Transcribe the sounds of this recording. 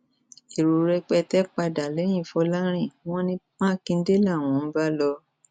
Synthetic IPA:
i˨ɾo˨ɾɛ˧k͡pɛ˧tɛ˦k͡pa˧da˨lɛ˨˦j̃ĩ˦˨fɔ˧la˦ɾ̃ĩ˦˨w̃ɔ̃˦nĩ˧mãː˦kĩ˧n̩˦de˦la˦˨w̃ɔ̃˨˦ba˦lɔ˧

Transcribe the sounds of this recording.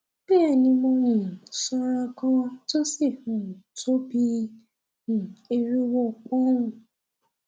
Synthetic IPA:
k͡pe˦ɛ˦˨nĩ˧mɔ̃˧nĩ˨sɔ˧ɾa˧kã˦to˦si˦˨hũ˨to˦bi˧ | nĩ˨e˧ɾi˦wɔ˦˨k͡pɔ̃˦ũ˦˨

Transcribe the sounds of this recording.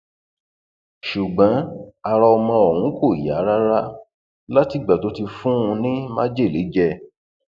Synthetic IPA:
ʃu˨ɡ͡bã˨˦a˧ɾa˧ɔ˧mɔ̃˧ɔ˨hũ˨˦ko˦˨i˨ja̰˨˦ɾa˦ɾa˦ | la˦ti˨ɡ͡ba˨to˨˦ti˧fũ˦ũ˧nĩ˦mã̰˦d͡ʒe˦˨le˨˦d͡ʒɛ˧

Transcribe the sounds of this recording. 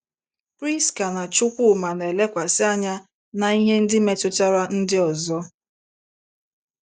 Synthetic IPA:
pɾi˦˨stka˨na˨t͡ʃʊ˦kʷʊ˦˨ma˨ne˨le˦kʷa˨sɪ˦a˦ɲa˦ | na˨i˦ɦe˦n̩˦dɪ˦me˨tʊ˦ta˦ɾa˦n̩˦dɪ˦ɔ˨zɔ˦

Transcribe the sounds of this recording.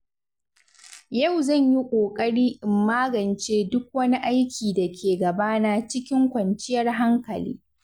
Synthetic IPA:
jɐ˦˨wzɐ˦˨ɲji˦kʷʼoː˨kʼɐ˦ɽiː˦ʔɪ˨mːaː˦ɡɐ˨nt͡ʃeː˦dʊ˦k̚wɐ˦ni˦ʔa˦jkʲʰiː˨da˨kʲʰeː˨ɡɐ˨baː˦na˨t͡ʃɪ˦kʲɪ˦ŋkʷɐ˨nt͡ʃɪ˦jɐ˦rɦa˦ŋkɐ̰˨lḭː˦

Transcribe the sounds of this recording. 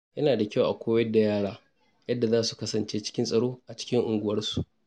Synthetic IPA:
jɐ˦naː˨da˨kʲa˦˨wʔa˨kʷoː˦jɐ˦dːa˨jaː˦ɽaː˦ | jɐ˦dːa˨zaː˦su˨kɐ˦sɐ˨nt͡ʃeː˦t͡ʃɪ̥˦kʲɪ˦nsʼɐ˨ɽoː˦ʔa˨t͡ʃɪ̥˦kʲɪ˦ŋʔʊ˨ŋɡʷʊ˨wɐ˦rsu˨ʔ

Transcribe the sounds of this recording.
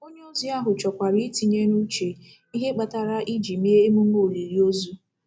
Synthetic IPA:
o˦ɲe˦o˦zu˦a˦ɦʊ˨t͡ʃɔ˨kʷa˨ɾi˦ti˨ɲe˦nu˦t͡ʃe˨ | i˦ɦe˦k͡pa˨ta˨ɾa˦ʔi˦d͡ʒi˨me˦e˦e˦mu˦m˦o˦˨ɾi˨ɾi˦o˦zu˦

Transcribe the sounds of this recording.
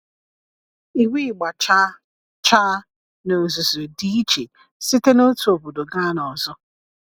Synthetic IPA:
i˨wʷi˦˨ɡ͡ba˨t͡ʃa˦ | t͡ʃa˦ | no˨zu˨zo˨di˦i˦t͡ʃe˨ | si˦te˦no˦tu˨o˨bu˨do˨ɡa˦nɔ˨zɔ˦

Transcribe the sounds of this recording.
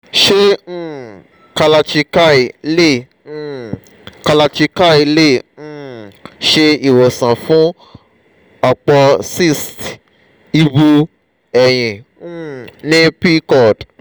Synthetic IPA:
ʃẽ˦˨ | ka˧la˧t͡ʃi˧ka˦i˨lẽ˦˨˦ | ka˧la˧t͡ʃi˧ka˦˨i˧lẽ˦˨˦ʃe˧i˦˨wo˨sã˨fũ˨˦ | ɔ˧k͡pɔ˧si˦st | i˧bu˧ | ɛ˨j̃ĩ˨˦ | nĩ˦pi˦kɔ˦˨d

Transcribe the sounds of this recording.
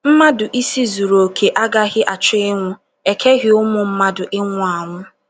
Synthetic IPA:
m̩˦ma˦dʊ˨ʔi˦si˦zu˨ɾo˨kʰe˨ʔa˦ɡa˦ɣɪ˦ʔa˨t͡ʃʊ˦ɪ˦ŋʷʊ˦ | e˨kʰe˦ɣɪ˦ʊ˦mʊ˨m̩˦ma˦dʊ˨ʔɪ˦ŋʷʊ˦a˨ŋʷʊ˦

